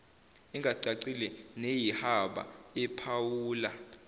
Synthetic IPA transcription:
iŋɡʱaǀaǀilɛnejihaɓa̰ɛpʰawuːla

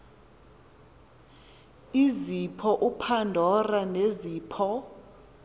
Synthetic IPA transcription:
izipʰɔʔupʰandʱɔraneziːpʰɔ

